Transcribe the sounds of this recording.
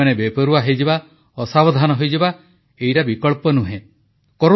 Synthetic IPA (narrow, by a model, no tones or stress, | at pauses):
anebepɔɾuaɦejd͡ʒeba | ɔsabɔd̪ʱanɔɦojd͡ʒeba | ejɾabikɔɭpɔnuɦẽ | kɔɾ